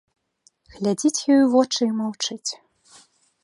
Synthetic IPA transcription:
ɣlʲad͡zʲit͡sʲjɔjuvɔt͡ʂɨimawt͡ʂɨt͡sʲ

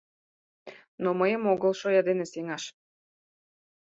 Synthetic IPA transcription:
noməjə̆moɣəlˠʃojɑd̪eneseŋɑʃ

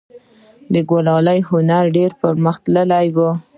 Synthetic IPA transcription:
d̪əɡolɑlajhʊnaɾɖeɾpəɾməxt̪ləlajwu

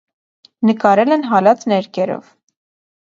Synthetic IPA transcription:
nəkɑɾɛlɛnɦɑlɑt͡snɛɾkɛɾɔ̰v

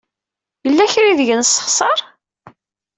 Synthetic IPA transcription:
jəlːæçɾiðəʝənsːə̥χsˤɑɾˤ

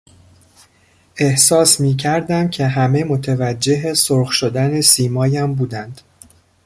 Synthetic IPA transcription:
ʔe̞hsɒːsmiːcʰæɾd̪æmcʰe̞ɦæme̞mo̞t̪ʰevæd͡ʒːe̞ɦesoɾxʃod̪æne̞siːmɒːjæmbuːd̪ænd̪̥

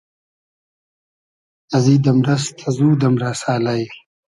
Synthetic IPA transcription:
ɐziːd̪ɐmɾɐskʰazuːd̪ɐmɾasaːlaj

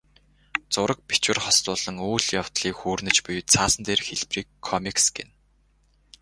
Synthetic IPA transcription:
t͡sʊɾə̆k̚pi̥t͡ɕwɘ̆rχɔst̪ʊːɮə̆ŋuːɮjaw̥t̪ɮiːkxuːrnɘ̆t͡ɕpʊjt͡sʰaːsə̆nt̪eːrxeɮpriːkʰːɔmiksɡḛn

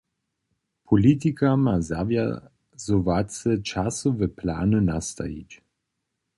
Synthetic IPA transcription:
pʰolit̪̬ikamaza̰vja̰ | zovat͡sət͡ʃasɔvəpʰla̰ːnənast̪a̰ḭt͡ɕ

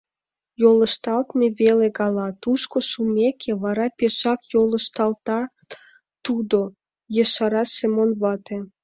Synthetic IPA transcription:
jolə̆ʃt̪ɑlt̪meβeleɡɑlɑt̪uʃkoʃumekʰeβɑɾɑpeʃɑkjolə̆ʃt̪ɑlt̪ɑ | t̪ud̪o | jəʃɑɾɑsemonβɑt̪e

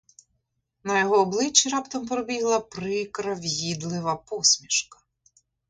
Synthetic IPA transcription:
nɐjɔɦɔːblˠɪt͡ʃːiɾɑpt̪ɐmpɾɔbʲiɦlˠɐpɾɪkɾɐʋjid̪lˠɪʋɐpɔsʲmʲiʃkɐ̥

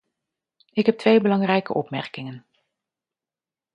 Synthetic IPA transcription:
ɪkɦɛp̚tʋejbəlɑŋrɛjkə̰ʔɔpmɛrkɪŋən

